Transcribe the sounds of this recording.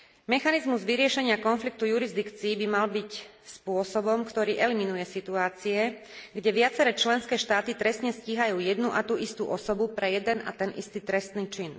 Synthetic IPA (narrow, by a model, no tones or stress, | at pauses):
mɛxanizmuzʋiɾɪɛʃɛɲɪakɔnflik̚t̪ujuɾizd̪ikt͡siːbimalbicspʊɔsɔbɔmkt̪ɔɾiːʔɛliminujɛsit̪uaːt͡siɛ | ɡɟɛʋɪat͡sɛɾɛːt͡ʃlɛnskɛːʃt̪aːt̪it̪ɾɛst̪ɲɛsciːɦajuːjɛd̪nuʔat̪uʔist̪ṵʔɔsɔbupɾɛjɛd̪ɛna̰t̪ɛnʔḭst̪iːt̪ɾɛst̪niːt͡ʃin